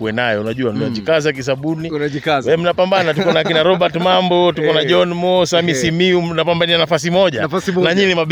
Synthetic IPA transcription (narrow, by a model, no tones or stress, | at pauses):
kuwɛnajɛunaʄuwannad͡ʒikazakis̬aɓuninikawɛm̩napambanatukɔnakinaɾɔɓaɾtmambɔtukɔnad͡ʒɔnmɔsamisimiumnapambanianafas̬imɔʄafanaɲinima